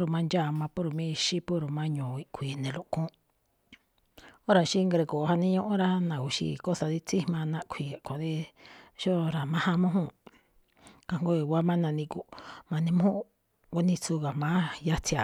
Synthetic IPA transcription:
ɾu˧˨mã˧nd͡ʒa˦˨mã˧pu˦ɾu˧˨mĩ˦˧ʃi˦pu˦ɾu˨mã˦ɲõ˨i˧kʷʰiː˨nẽ˨lu˧ʔkũ˦ | o˦ɾa˨ʃi˦ŋɡɾe˧˨ko˨˧ha˧nĩ˦ɲõ˦ʔõ˦ɾa˦nã˨u˧˨ʃḭ˧ko˦sa˧ði˧˦t͡si˦˧mã˧nã˦ʔkʷʰi˨a˨kʷã˨ði˦ʃo˦ɾa˨mã˦hã˧mõ˦ɦũ˦˨ | ka˧ŋɡo˦i˨wa˦mã˦nã˧nĩ˧ku˧˨mã˧nĩ˧m˦ũ˦˧ | ku˧nĩ˧t͡su˧ɣa˨mã˦ja˧t͡si˧a˨

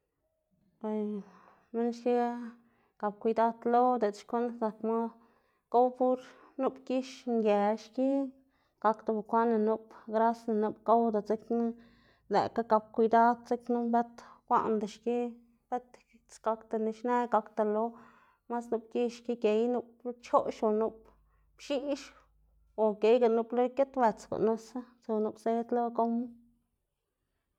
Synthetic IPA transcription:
pa˨j | mi˦nʃki˦ | ka˨b̚kʷi˧d̪a˦d̪lo˦d̪e˨d̪ʃko˦nsa˨kma˦ | ko˦wpu˦ɾ | nu˦pki˦ʃŋɡe˨ʃki˦ | ɡ̥a˧kt̪a˧ba˨kʷa˦na˧nu˧pɡɾa˦sna˨˧nu˧pka˦wd̪a˨t͡se˦knu˦ | lḛ˨ka˦ka˧b̚kʷi˧d̪a˦d̪t͡se˦knu˦mbe˦t̪kʷa̰˦ʔnd̪a˨ʃki˦ | b̥e˦t̪ | t͡sɡa˧kt̪a˧ni˧ʃne˦ɡa˧kt̪a˧lo˧ | ma˦snu˧pki˦ʃki˦ke˨jnu˧p̚lo˦t͡ʃo˦ʃo˧˨nu˧p̚ | pʃi˦ʃ | o˨ke˨jɡa˨nu˧plo˦ke˦t̪be˨t͡sko̰˨ʔno˧sa˦t͡so˧nu˧pse˧˦d̪lo˦ko˧m˦

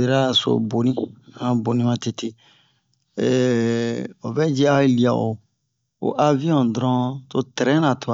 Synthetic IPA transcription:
e˨ɾa˦so̰˦bo˨nĩ˦ã˦bo˨nĩ˦mã˦te˦te˦˨ | o˨bɛ˦d͡ʒɛ˦a˦i˦li˨a˨ʔo̰˨ | o̰˨ʔa˦vĩ˦ɔ̃˨dɾɔ̃˦to˦tɛ˨ɾɛ̃˦nã˨tu˨a˨

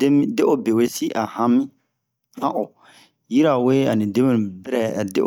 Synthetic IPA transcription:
de˦mĩ˦de˦ʔo˦be˨we˦si˦ʔa˨hã˦mĩ˦ | hã˦ʔo˨ | ji˦ɾa˨we˦a˨nĩ˨de˦mĩ˦nũ˨bɾɛ˨a˨dḛ˦

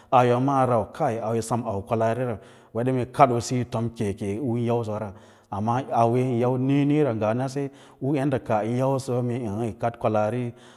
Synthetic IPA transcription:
a˨jo˨ma˦˨ɾa˨wkʰa˦i˨a˨we˨sa˦ma˨wkʷa˨la˨ɾi˦ɾa˨ | we˨˦ɗe˦me˨ka˦ɗo˨si˦to˦mke˨ke˨˦u˦ja˦ws̬o˨˦ɾa˨ | a˨mːa˦a˨we˦˨˦ja˦wne˦ni˦ɾa˨ŋɡa˨n˦a˦s̬e˦ | u˦e˦nda˨ka˨i˨˦ja˦u˦so˦mi˨i˨˦i˨ka˦tkʷa˨la˨ɾi˦

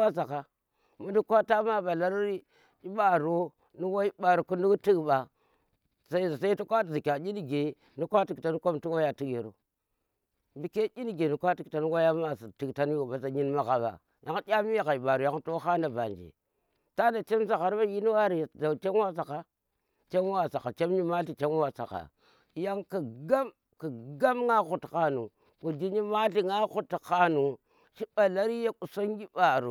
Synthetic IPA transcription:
a˦za˨ka˨ | mu˦du˦kʷa˦ta˦ma˦ba˨la˦ɾɾi˦ | i˦ɓa˦ɾo˦ | ni˦wa˦ɓa˨ɾu˨ku˦ndu˦ɡti˦ɡɓa˨ | sa˦˨sa˦i˦tu˦kʷa˦˨zi˨kʲa˨d͡ʒʲi˦ni˦ɡe˨ | ni˦kʷa˦ti˦˨kta˨nu˦ko˦mtu˦wa˦ja˨ti˦kje˨ɾo̰˨ | bi˨ke˦i˦ni˦ɡe˨ni˨kʷa˦ti˨ta˨nu˦wa˦ja˦ma˨si˨ti˨kta˦n˦jo˨ba˨sa˨ɲi˦nma˨ɣa˨ba̰˨ | ja˦ŋ˦dʲa˦mi˦ja˨ka˨i˨ba˨ɾu˨ja˦ŋ˦to˦xa˦na˨ba˨nd͡ʒḭ˨ | ta˦da˨t͡ʃe˦msa˨ɣa˨ɾba˦ji˦ni˦wa˦ɾi˨d͡ʒa˨t͡ʃe˦n˦wa˦sa˨ka˨ | t͡ʃe˦m˦wa˦sa˨ka˨t͡ʃe˦mɲi˦ma˦ɬi˨t͡ʃe˦n˦wa˦sa̰˨ka̰˨ | ja˦ŋki˨ɡa˦m | ki˨ɡa˦mŋa˦xu˨tka˨nu˨ | ku˨d͡ʒi˦ɲi˦ma˦ɬi˨ŋa˦xu˦tka˦nu˨ | ʃi˦ɓa˨la˦ɾi˦ja˦ku˨so˦ŋ˦ɡi˦ba˨ɾu˨

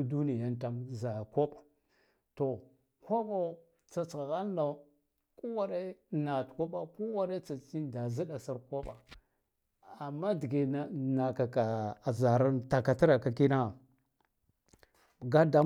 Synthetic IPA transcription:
du˦ni˨ja˦nta˦mza˨ko˦ɓa˨ | to˨ | hʷo˦bo˦ | t͡sa˨t͡sa˨ɣa˦nː˦a˨˦ | ku˦wa˦ɾe˦na˨tko˦ɓa˦ku˦wa˦ɾe˦t͡sa˨t͡ʃi˦nda˨zi˦ɗa˨sa˦ɾko˦ɓa˨ | a˨mːa˦di˨ɡe˨a˦na˨ka˨ka˨za˨ɾa˦nta˨ka˨ti˦ɾa˨ka˨ki˦na˦˨ | ɡa˦da˨˦

